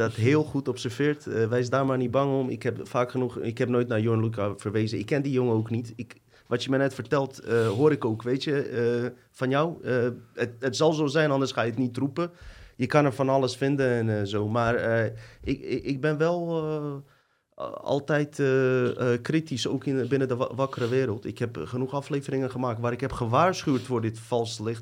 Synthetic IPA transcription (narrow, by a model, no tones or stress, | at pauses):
dɔtɦɪːlˠχutɔpsəɹv̥ɪːɹtəʋɛjs̬daːrmaːrnit̚bɑŋɔmɪ̰khɛpfaːkχənuxɪkhɛpnoːjtnajonlukafərʋeːzəɪkːɛndijoŋəoːknitɪk | ʋɑtjəmɛjnɛtfərtɛlˠtɦoːɾɪkoːkʋeːtjə | fɑnjɔwəətətsɑlˠzoːzɛjnɑndərsχaːjəətnitrupəjəkanɛɹfɔnaləsfɪndənɛnzoːmaːrəɪkɪk̚bɪnʋɛlˠ | ɔ̰lˠtɛjtəkritisoːkɪnbɪnədəʋakərəʋɪːɾəlˠtɪ̰khɛpχənuxafleːvərɪŋənɣəmaːktʋaːɾɪkɦɛpxəʋaːɹsχyətfoːrdɪtfɔlˠstəlɪxt